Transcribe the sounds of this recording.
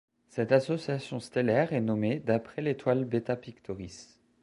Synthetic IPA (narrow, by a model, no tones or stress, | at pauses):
sɛt̪asɔsjasjɔ̃st̪elɛʁɛnɔmed̪apχɛlet̪walbet̪apikt̪ɔʁis